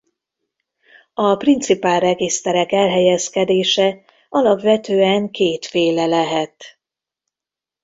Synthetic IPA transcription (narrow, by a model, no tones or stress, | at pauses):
ɒprint̪sipaːlrɛɡist̪ɛɾɛkɛlɦɛjɛskɛd̪eːʃɛ | ɒlɒpʋɛt̪øːɛŋkeːt̪feːlɛlɛɦɛt̪